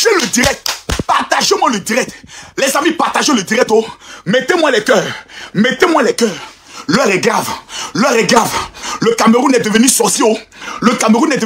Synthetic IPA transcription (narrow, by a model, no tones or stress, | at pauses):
ʒelød̪iɾɛk̚t̪paʁt̪aʒemw̃ãləd̪iʁɛk̚t̪lɛzamĩpaʁt̪aʒelød̪iɾɛk̚t̪omɛt̪emw̃ãlɛkœːmet̪emw̃ãlɛkœːʁ | lɛʁɛɡravlœʁɛɡravløkameʁũnɛd̪əvənysɔsioløkameɾũnɛd̪ə